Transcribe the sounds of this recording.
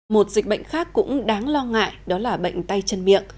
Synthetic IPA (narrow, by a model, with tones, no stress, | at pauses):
mo˨˩t̚zï˨˩k̟̚ɓə̰˧˨jŋ̟xaː˦˥kːʊ̰˧˥ŋ͡mɗaː˨˦ŋlɔ˧ŋa̰ː˧˨jɗɔ˨˦laː˨˩ɓə̰˧˨jŋ̟t̪a˧jt͡ɕə˧nmḭ˧˨əŋ